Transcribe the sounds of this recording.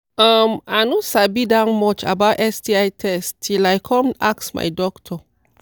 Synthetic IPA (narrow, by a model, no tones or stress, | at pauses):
amanusabidãnmɔt͡ʃa̰bawtɛsdiajtʰɛstilajkʰɔmaksma̰jdɔktʰɔ